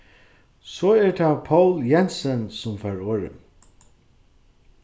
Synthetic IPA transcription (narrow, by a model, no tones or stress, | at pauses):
sɔːɛɹt̪ʰaːpʰawljɛnsənsʊmfœɹoːɹɪ̰n